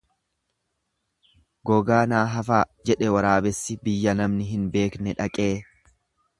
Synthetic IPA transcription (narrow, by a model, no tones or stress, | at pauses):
ɡɔɡaːnaːɦɐfaːd͡ʒɛᶑɛwɐɾaːbɛsːɪbɪjːɐnɐmnɪɦɪnbe̞ːknɛᶑɐkʼe̞ː